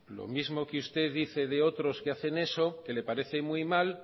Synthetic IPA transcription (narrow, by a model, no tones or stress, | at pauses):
lo̰mizmokust̪e̞ððiθe̞ðeot̪ɾo̞skeaθe̞ne̞so̞ke̞le̞paɾe̞θe̞mujmal